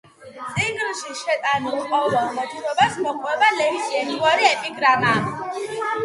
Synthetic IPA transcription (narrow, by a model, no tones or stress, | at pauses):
t̪sʼiŋɡɾʃiʃɛt̪ʼanilqʼɔvɛlˠmɔt̪ʰuɾɔbasmɔqʼwɛbalɛkisʼiɛniaɾiɛpʼiɡɾama